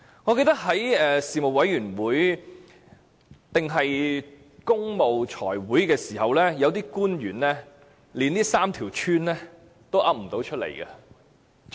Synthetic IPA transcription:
ŋɔː˨˧ke˧jt̪ɐ˥k̚ɦɐ˨˥jɛː˨siː˨mo˨˩k̚wɐ˨˥jɥyː˨˩nwuː˨˥j | t̪ɪ˨ŋɦɐ˨j | kʊ˥ŋmo˨wt͡ʃʰɔ̰ː˨˩jwuː˨˥jkɛː˧siː˨˩hɐ˨wlɛː˥jɐ˨˧wt̪iː˥kuː˥njyː˨˩nlɛː˥ | liː˨˧nniː˥saː˥mt̪ʰiː˨˩wt͡ʃʰyː˥nlɛː˥ | t̪o˥wʔɐ˥p̚m̩˨˩t̪o˨˥wt͡ʃʰɵ˥t̚lḛ˨˩jkɐ˧

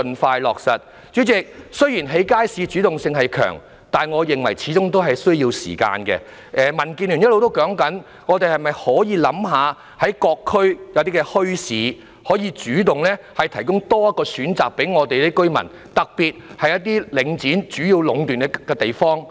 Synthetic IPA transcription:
nfaː˧jlɔː˨k̚sɐ˨t̚ | t͡ʃyː˨˥t͡sɪ˨k̚sɵ˥ɥjiː˨˩nɦe˨˥jkaː˥jsiː˨˧t͡ʃyː˨˥t̪ʊ˨ŋsɪ˧ŋɦɐ˨jkʰœ̰ː˨˩ŋ | t̪aː˨nŋɔː˨˧jɪ˨ŋwɐ̰˨˩jt͡sʰiː˨˥t͡sʊ˥ŋt̪o˥wɦɐ˨jsɵ˥ɥjiː˧wsḭː˨˩ka̰ː˧nkɛ̰˧ | ʔɛː˨mɐ˨˩nkiː˧nlyː˨˩njɐ˥tlo˨wt̪o˥wkɔː˨˥ŋkɐ˨˥n | ŋɔː˨˧t̪e˨jhɐ˨jmɐ˨jhɔː˨˥jiː˨˧lɐ˨˥mɦaː˨˧ | hɐ˨˥jkɔː˧kʰːɵ˥ɥjɐ˨˧wt̪iː˥kɛ˧hɵ˥ɥsiː˨˥ | hɔː˨˥jiː˧t͡ʃyː˨˥t̪ʊ˨ŋlɛː˥ | hɐ˨jt̪ʰɐ˨˩jkʊ˥ŋt̪ɔː˥jɐ˥t̚kːɔː˧syː˨˥nt͡sa̰ː˨k̚pe˨˥jŋɔː˨˧t̪e˨jt̪e˥kɵ˥ɥmɐ̰˨˩n | t̪ɐ˨k̚piː˨t̚hɐ˨jɐ˥t̪iː˥lɪ˨˧ŋt͡siː˨˥nt͡ʃyː˨˥jiː˧wlʊ˨˧ŋt̪yː˨nɛ˧kɛː˧t̪e˨jfɔː˥ŋ

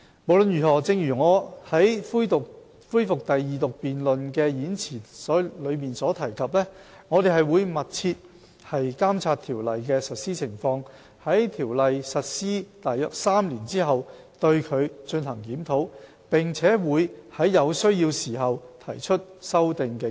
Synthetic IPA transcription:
mo˨wlɵ˨˧njyː˨˩hɔː˨˩t͡sɪ˧ŋjyː˨˩ŋɔː˨˧hɐ˨˥jfu˥t̪ | fuː˥jfʊ˨k̚t̪ɐ˨jːiː˨t̪ʊ˨k̚piː˨nlɵ˨nkɛː˧jiː˨˥nt͡sʰiː˨˩sɔː˨˥lɵ˨˧ɥmiː˨nsɔː˨˥t̪ʰɐ˨˩jkʰɐ˨p̬̚lɛː˥ | ŋɔː˨˧t̪e˨jɦɐ˨jwuː˨˧jmɐ˨t̚t͡sʰiː˧t̚ | hɐ˨jkaː˥mt͡sʰaː˧t̪ʰiː˨˩wlɐ˨jkɛː˧sɐ˨t̚siː˥t͡sʰɪ˨˩ŋfɔː˧ŋ | hɐ˨˥jt̪ʰiː˨˩wlɐ˨jsɐ˨t̚siː˥t̪aː˨jœː˨˧k̚saː˥mliː˨˩nt͡siː˥ɦɐ˨w | t̪ɵ˧ɥkʰɵ˨˧ɥt͡ʃɵ˧nhɐ˨˩ŋkiː˨˥mt̪ʰo˨˥w | pɪ˨˩ŋt͡sʰɛː˨˥wuː˨˧jhɐ˨˥jɐ˨˧wsɵ˥ɥjiː˧wsiː˨˩ɦɐ˨wt̪ʰɐ˨˩jt͡ʃʰɵ˥t̚sɐ˥wt̪ɪ˨ŋkɛː˧

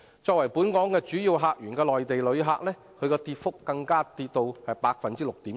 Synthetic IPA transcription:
t͡sɔː˧k̚wɐ˨˩jpuː˨˥nkɔː˨˥ŋkɛː˧t͡ʃyː˨˥jiː˨˧wɦaː˧k̚jyː˨˩nkɛː˧lɔː˨jt̪e˨jlɵ˨˧ɥɦaː˧k̚lɛː˥ | kʰɵ˨˧ɥkɔː˧t̪iː˧t̚fʊ˥kːɐ˧ŋkaː˥t̪iː˧t̚t̪o˧whɐ˨jpaː˧k̚fɐ˨nt͡siː˥lʊ˨k̚t̪iː˨˥m

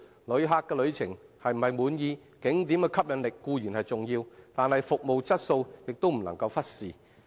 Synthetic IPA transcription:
lɵ˨˧˥ɥɦaː˨kːɛː˧lɵ˨˧ɥt͡sʰɪ̰˨˩ŋhɐ˨jm̩˨˩ɐ˨˩jmuː˨˧njiː˨˧ | kɪ˨˥ŋt̪iː˨˥mkɛ˧kʰɐ˥p̚jɐ˨˧nlɪ˨kːuː˧jyː˨˩nhɐ˨jt͡sʊ˨˩ŋjiː˧wt̪aː˨nhɐ˨jfʊ˨k̚mo˨wt͡sɐ˥t̚so˧wjɪ˨k̚t̪o˥wm̩˨˩nɐ˨˩ŋkɐ˧wfɐ˥t̚siː˨

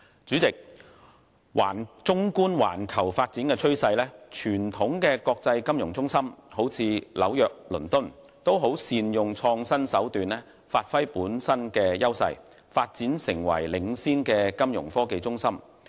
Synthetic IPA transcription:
t͡syː˨˥t͡sɪ˨k̚ | wa̰ː˨˩nt͡sʊ˥ŋkuː˥nwa̰ː˨˩nkʰɐ˨˩wfaː˧t̚t͡siː˨˥nkɛː˧t͡ʃʰɵ˥ɥsɐ˧jlɛː˥t͡ʃʰyː˨˩nt̪ʰʊ˨˥ŋkɛː˧kɔː˧k̚t͡sɐ˧jkɐ˥mjʊ˨˩ŋt͡sʊ˥ŋsɐ˥mho˨˥wt͡sʰiː˧lɐ̰˨˥wjœː˨k̚lɵ̰˨˩nt̪ʊ˥n | t̪o˥wɦo˨˥wsiː˧njʊ˨ŋt͡sʰɔː˧ŋsɐ˥nsɐ˨˥wt̪yː˨nlɛː˥ | faː˧t̚fɐ˥jpuː˨˥nsɐ˥nkɛː˧jɐ˥wsɐ̰˧j | faː˧t̚t͡siː˨˥nsɪ˨˩ŋwɐ̰˨˩jlɪ˨ŋsiː˥nkɛː˧kɐ˥mjʊ̰˨˩ŋfɔː˥ke˧jt͡sʊ˥ŋsɐ˥m

